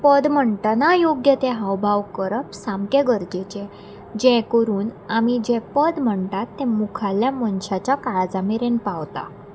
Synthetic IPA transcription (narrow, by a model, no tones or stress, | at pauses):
pəd̪m̤əɳʈənajoɡjət̪ɛ̃ɦəwbʱaʋkəɾəpsamkeɡəɾd͡ʑet͡ɕẽ | d͡ʑɛ̃kəɾuːnamid͡ʑɛ̃pəd̪m̤əɳt̪at̪ːɛ̃mukʰaljamənɕat͡ɕjakaɭd͡zameɾenpaʋt̪a̰